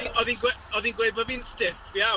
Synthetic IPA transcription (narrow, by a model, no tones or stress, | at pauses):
ɔðinɡweɔðinɡwevɔviːnstɪfja